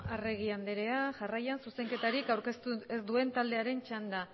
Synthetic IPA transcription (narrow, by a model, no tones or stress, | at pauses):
are̞ɣ̞iand̪eɾe̞aʝarajansuse̞ŋke̞t̪aɾikawɾkest̪uezd̪ue̞nt̪ald̪e̞aɾe̞nt͡ʃand̪a